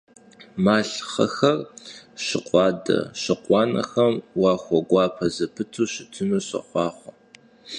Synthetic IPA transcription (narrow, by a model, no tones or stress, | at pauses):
maːɬχɐ̰xɐrɕɪqʷʼɑːdɐ̰ɕɪqʷʼɑːnɐ̰xɐmwɑːxʷɔɡʷɑːpʰɐzɐpʰɨtʰuːɕɪtʰɨmɨɕɐ̰χʷɑːχʷɐ